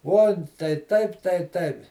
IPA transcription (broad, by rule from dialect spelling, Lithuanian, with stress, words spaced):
ˈuɔn tɐɪ ˈtɐɪp tɐɪ ˈtɐɪp